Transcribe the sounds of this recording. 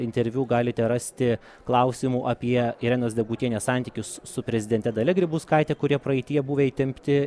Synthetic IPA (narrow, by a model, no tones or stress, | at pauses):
ɪnʲt̪ʲɛɾʲʋʲuːɡɑːlʲɪt̪ʲɛɾɐsʲt̪ʲɪ | klˠɐʊsʲiːmuːʔɐpʲiɛiɾʲɛnoːsd̪ʲɛɡuːt̪ʲiɛnʲeːsɑˑnʲt̪ʲiːkʲʊssʊpʲɾʲɛzʲɪd̪ʲɛnʲt̪ʲɛd̪ɐlʲɪɡɾʲɪbuːskɐɪt̪ʲɛkʊɾʲiɛpɾɐɛɪt̪ʲɪjɛbuːʋʲɛiːt̪ʲɪmʲpʲt̪ʲɪ